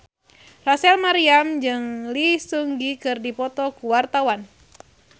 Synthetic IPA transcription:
rasɛlmaɾiamd͡ʒɨŋlisuŋɡikɨrdipɔt̪ɔkuwart̪awan

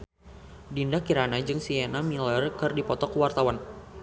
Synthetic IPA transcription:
dindakiɾanad͡ʒɨŋsienamilərkɨrdipɔt̪ɔkəwart̪awan

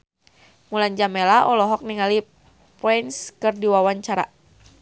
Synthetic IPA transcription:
muland͡ʒamɛlaʔɔlɔɦɔk̚niŋali | pinskɨrdiwawaɲt͡ʃaɾa̰

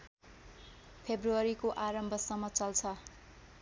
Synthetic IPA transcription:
pʰebruʌɾikoʔaɾʌmbʱʌsʌmːʌt͡sʌlt͡sʰʌ

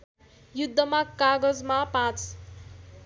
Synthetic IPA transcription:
jud̪ʱːʌmakːaɡʌd͡zmapãt͡s

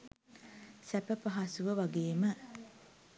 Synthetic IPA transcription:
sæpəpɐɦasuʋəʋaɡeːmə

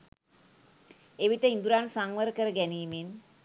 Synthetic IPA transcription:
eʋiʈəind̪uɾansaŋʋəɾəkəɾəɡæniːmen

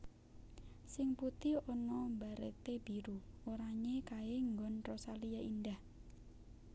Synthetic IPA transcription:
sɪŋput̪iɔnɔmbaɾḛt̪eb̥iɾuoɾaɲekaeŋɡɔnrɔsalijaʔindah

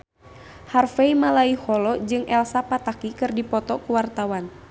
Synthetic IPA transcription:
harfeimalaihɔlɔd͡ʒɨŋʔɛlsapat̪akikɨrdipɔt̪ɔkuwart̪awan

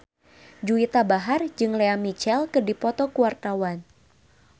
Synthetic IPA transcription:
d͡ʒuit̪abaɦard͡ʒɨŋleamit͡ʃɛlkərdipɔt̪ɔkuwart̪awan

